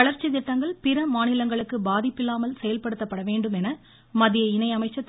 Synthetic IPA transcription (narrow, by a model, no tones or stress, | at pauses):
ɐɭɐɾt͡ʃːit̪ɪʈːɐŋɡɐɭpɪɾɐmaːnɪlɐŋɡɐɭɯkːɯbaːðɪpːɪlːaːmɐlsɛjɐlpɐɽɯt̪ːɐpːɐɽɐʋeːɳɖɯmɛnɐ | mɐðɪjɐɪnɐɪɐmɐɪt͡ʃːɐt̪ː